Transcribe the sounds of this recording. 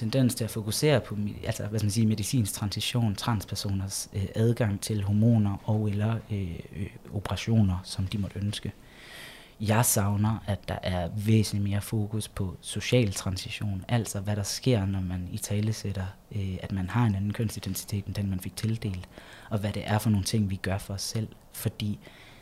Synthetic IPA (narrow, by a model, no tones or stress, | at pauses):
t͡sʰend̥en̰st͡sʰe̝læfo̝kʰuse̝̰ːɐpʰɒ̽ælsɐʋæskmænsiːme̝ðˠisḭːnst͡sʰʁɑ̈nsiɕo̝̰ːnt͡sʰʁɑ̈nspʰæɐso̝̰ːnɐsøʔæð̞ˠɡ̥ɑ̈ŋ̰t͡sʰe̝lɦomo̝̰ːnɐʔɒ̽ʊelɐø | o̝pʰəʁɑ̈ɕo̝̰ːnɐsɒ̽md̥imɒ̽d̥ønsɡ̥ə | jɑ̈ɪsɑ̈ʊnɐʔæd̥ɑ̈ʔæɐʋḛːsn̩lime̝ːɐfo̝ːkʰuspʰɒ̽so̝ɕɛ̰ːlt͡sʰʁɑ̈nsiɕo̝̰ːnʔæl̰sɒ̽ʋæɾ̥ɑ̈sɡ̥e̝ɐ̰nɒmænit͡sʰɛːləseɾ̥ɐ | æd̥mænhɑ̈e̝nænn̩kʰøn̰sd̥id̥ent͡sʰi̥t͡sʰe̝̰ːd̥end̥enmænfe̝ɡ̥̚t͡sʰe̝ld̥e̝̰ːld̥ | ɒ̽ʋæɾ̥e̝ʔæɐfɒno̝ːn̩t͡sʰe̝ŋ̰ʋiɡ̥ɶɐfɒ̽ɒ̽sːel̰ | fɒ̽d̥ḭː